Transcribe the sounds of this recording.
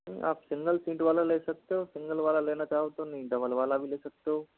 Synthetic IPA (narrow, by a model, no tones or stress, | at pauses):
ḭʔa̰ːpsiŋɡəlsĩːʈʋalalesək̚t̪osiŋɡəlʋalaleñat͡ʃaɦt̪oniɖəʋəlʋalaːʋilesək̚t̪o